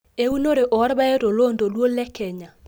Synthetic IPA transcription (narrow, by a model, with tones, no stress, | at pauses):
e˦u˦no˦ɾe˨ʔɔ˨˦ɾba˦e˦ɾo˨lo˦ndo˨lwo˦lɛ˦kɛ˨ɲa˨